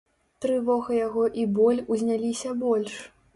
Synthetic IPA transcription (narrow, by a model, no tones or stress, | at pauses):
t̪ɾɨvɔɣɐjaɣɔʔibɔlʲuzʲnʲalʲisʲɐbɔlʲʂ